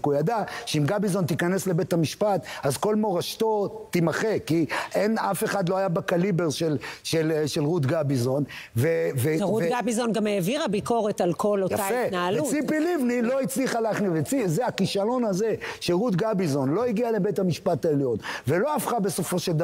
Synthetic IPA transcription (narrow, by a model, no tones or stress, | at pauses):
kujad̪aʃeimɡabizo̞nt̪ikane̞sle̞bet̪amiʃpat̪azko̞lmo̞ʁaʃt̪o̞t̪imaχe̞kiʔenafe̞χad̪lo̞ajabakalibe̞ʁʃelʃelʃelʁud̪ɡabizo̞n | veveʁutɡabizonɡameːviʁabiko̞ʁet̪alkʰolotaaenaalveut͡sipilivnilo̞it͡sliχalaχnivet͡sizeakiʃalo̞nazeʃeʁud̪ɡabizo̞nlo̞iɡiale̞bet̪amiʃpat̪aeljo̞nvelo̞afχabe̞so̞fo̞ʃeld̪